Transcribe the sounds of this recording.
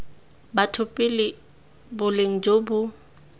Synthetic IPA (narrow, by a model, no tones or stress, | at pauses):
batʰʊpʼɪlɪ | bʊleŋ̩d͡ʒobʊ